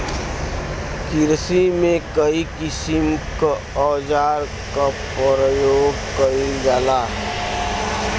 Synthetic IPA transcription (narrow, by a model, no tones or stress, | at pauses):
kiɾsimẽkəikɪsimka | ɔːd͡ʒaːɾ | kapɾjoːɡkəid͡ʒaːla